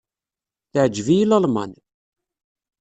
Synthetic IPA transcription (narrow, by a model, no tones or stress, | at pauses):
θəʕəd͡ʒːvijilːɑlmɑ̰n